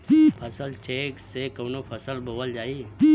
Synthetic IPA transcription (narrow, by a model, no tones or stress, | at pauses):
pʰəsəlt͡ʃeːksekəːnopʰəsəlbʱoʋəld͡ʒaːi